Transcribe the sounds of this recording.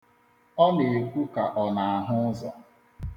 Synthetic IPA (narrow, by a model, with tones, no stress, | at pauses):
ɔ˦ne˨e˨kʷu˦ka˨ʔɔ˨na˨a˨ɦʊ˦zɔ˨